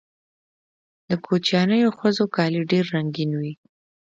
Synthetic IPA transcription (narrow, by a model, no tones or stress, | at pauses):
d̪əkʰot͡ʃjɑnəjoxəzokɑliɖeɾːaŋɡinwi